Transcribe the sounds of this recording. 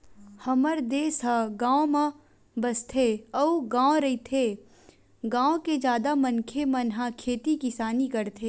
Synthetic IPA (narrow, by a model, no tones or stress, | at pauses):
hɐməɾd̪eːsɦaɡãːõmã | bɐst̪ʰeɐuɡãːɾɐit̪ʰe | ɡãːõked͡ʒjaːd̪amɐnkʰemɐnɦãkʰeːt̪ikɪsaːnikɐɾt̪ʰeː